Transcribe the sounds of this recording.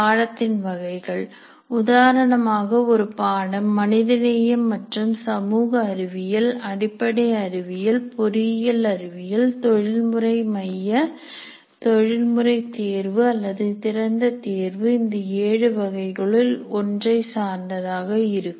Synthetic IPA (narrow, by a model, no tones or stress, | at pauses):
aːɻɐt̪ːɪnʋɐɣɐɪɣɐɭ | ʊðaːɾɐɳɐmaːɣɐɔɾɯpaːɽɐmːɐnɪðɐnejɐmːɐʈrɯmsɐmuːɣɐːɾɪʋɪjɪlɐɽɪpːɐɽɐɪɐɾɪʋɪjɪlpɔɾɪjɪlɐɾɪʋɪjɪlt̪ɔɻɪlmɯrɐɪmɐjːɐ | t̪ɔɻɪlmɯrɐɪt̪eːɾʋɯɐlːɐðɯt̪ɪɾɐnd̪ɐt̪eːɾʋɯɪnd̪ɐeːɻɯʋɐɣɐɪɣɐɭɪlɔndrɐɪsaːɾnd̪ɐðaːɣɐɪɾɯkː